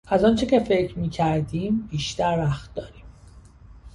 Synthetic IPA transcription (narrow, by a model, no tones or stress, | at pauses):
ʔæzɒːnt͡ʃʰe̞cʲe̞fe̞cʰɾmiːcʰæɾd̪iːmbiːʃt̪æɾvæxt̪̚d̪ɒːɾiːm